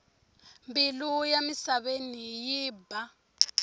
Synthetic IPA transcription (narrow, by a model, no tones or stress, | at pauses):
mbilujamisaβenijiːba